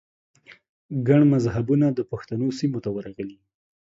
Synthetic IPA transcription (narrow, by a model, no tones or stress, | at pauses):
ɡaɳmazɦabunad̪əpaxt̪anosimot̪awəɾaɣəli